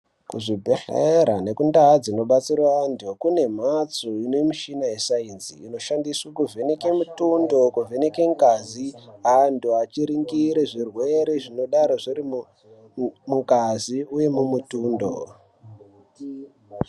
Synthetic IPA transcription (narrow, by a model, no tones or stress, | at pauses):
kuʐibʱexḛɾane̞kundad͡zino̞ɓat͡sirwandʱokune̞m̤at͡soinomiʃinajesainzḭino̞ʃandiswakuvʱe̞nekemutundo̞kuvʱe̞nekeŋkaziɦanduat͡ʃiɾiŋɡiɾeʐirwe̞ɾe̞ʐino̞ɗaɾoʐiɾimu | muŋkaziuje̞mumutuːndo̰